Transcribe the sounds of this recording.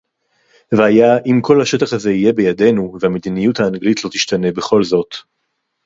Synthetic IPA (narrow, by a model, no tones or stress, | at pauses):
veajaʔimkʰo̞lhaʃetaχhaze̞ije̞be̞jade̞nuvehame̞d̪inijuthaːnɡlitlo̞t̪iʃtane̞be̞χo̞lzo̞t